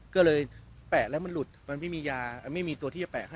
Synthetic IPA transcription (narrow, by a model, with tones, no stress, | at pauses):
kɔː˥˩lɤː˧jpɛː˨˩k̚lɛː˦˥wma˧nlu˨˩t̪̚ma˧nma˥˩jmiː˧jaː˧˨˩ma˥˩jmiː˧t̪u˧iː˥˩t͡ɕa˨˩pɛː˨˩k̚ɦa˥˩